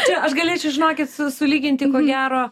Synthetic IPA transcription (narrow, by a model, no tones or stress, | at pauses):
t͡ʃʲɛɐʃɡɐlʲeːt͡ʃʲɛʊʒʲɪnoːkʲɪt̪sʊsʊlʲiːɡʲɪnʲt̪ʲɪkoːɡʲæːɾoː